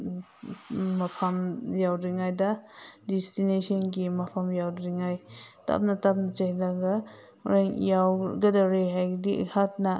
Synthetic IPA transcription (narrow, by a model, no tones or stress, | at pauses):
mɐpʰamjawɾiŋajdɐdɛstinesʰɔnɡimɐpʰamjawdɾiŋajta̰p̚nɐtap̚nɐd͡ʒahlaɡa | ɾeŋjawɡɐdaɾeɦajɡdiḛhʰat̚na